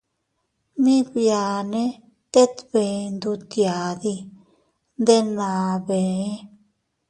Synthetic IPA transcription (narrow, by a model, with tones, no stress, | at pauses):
mĩ˦bja˨nẽ˦ | t̪e˦t̪be˨nd̪u˧t̪ja˨d̪i˧ | nd̪e˦nã˨be˨˦